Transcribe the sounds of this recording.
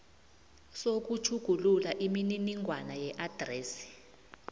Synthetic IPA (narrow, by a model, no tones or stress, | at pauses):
sok̬ut͡ʃʰuɡ̥ʱululaʔimininiŋwanajɛʔad̥rɛːsi̥